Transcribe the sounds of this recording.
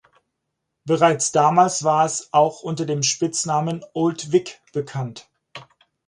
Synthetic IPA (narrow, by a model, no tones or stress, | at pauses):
b̥əʁaɪt͡sd̥aːmaːlsv̥aːɐɛsʔaʊxʔʊntɐdeːmʃpɪt͡snaːmənʔoltv̥ɪkb̥əkʰant